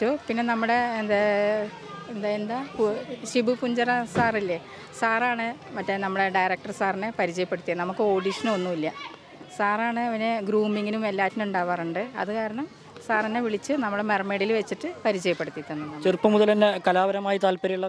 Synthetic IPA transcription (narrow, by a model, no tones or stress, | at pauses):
opinːe̞nɐmːuɽe̞end̪e | end̪aend̪aːpuɕibupuɲd͡ʑɐrɐsaːrilːe | saːraːɳɨmɐtːenɐmːuɽe̞ɖɐjɾɐk̚ʈɐrsaːrinepɐɾit͡ɕɐjɐpːeɽut̪ːijɐnɐmukːɨo̞ːɽiʂɐnonːuilːɐ | saːraːɳɨɐʋineɡɾuːmːiŋːinume̞lːaːtːinuɳɖaːʋɐrɐɳɖɨɐ̰ðɨkaːɾɐɳɐm | saːrinːeʋiɭit͡ɕːɨnɐmːuɽemerme̞ːɽilʋet͡ɕːiʈːɨpɐɾit͡ɕɐjɐpːeɽut̪ːit̪ːenːunt͡ɕirpːɐmuðɐlenːekɐlaːbɐɾɐmaːjit̪aːlpɐɾijuɭːɐ